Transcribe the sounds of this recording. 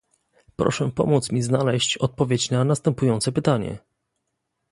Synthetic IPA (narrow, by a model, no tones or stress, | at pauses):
pɾɔ̰ʂɛpɔ̰mut̪smʲiznalɛɕt͡ɕɔt̪̚pɔvʲjet͡ɕnanast̪ɛmpujɔnt̪sɛpɘt̪aɲɛ̰